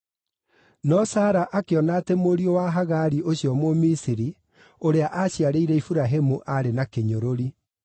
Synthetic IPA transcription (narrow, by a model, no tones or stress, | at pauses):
nɔsaːɾaʔakeɔnatɛmoɾiowaɦaɣaɾiʔoɕiɔmomisiɾi | oɾeaʔaɕiaɾeiɾɛifuɾaɦemuʔaɾenakeɲoɾoɾi